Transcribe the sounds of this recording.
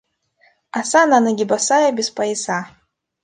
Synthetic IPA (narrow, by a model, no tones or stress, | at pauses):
asananaɡʲibasajabʲispʼajisa